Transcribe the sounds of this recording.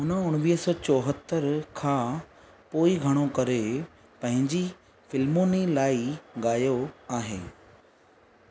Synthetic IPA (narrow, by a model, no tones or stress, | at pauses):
ɦʊnəʊɽ̃ʋiːɦəsɔ̃ːt͡ɕɔːɦət̪ːəɾkʰãː | poːiɡʱɐɽ̃okɐɾe | pɐ̃ɦɪ̃ɲd͡ʑi | fɪlmonilaːiɠaːjoaːɦeː